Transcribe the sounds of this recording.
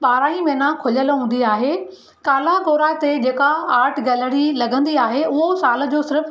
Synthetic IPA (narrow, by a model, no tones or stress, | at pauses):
ɓaːɾaːĩmẽːnakʰʊʎəlɦũːn̆d̪iaːɦeː | kaːlakoːɾat̪ed͡ʑeːkaaːɾʈʰɡɐləɽilɐɡʱə̃nd̪iaːɦeʊɦosaːl̆d͡ʑoːsɪɾəf